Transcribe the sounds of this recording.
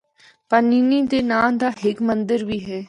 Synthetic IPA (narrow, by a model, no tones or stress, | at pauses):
pəɾniːnĩːd̪eːnãːnd̪aːɦɪkmənd̪əɾʋiːɦɛː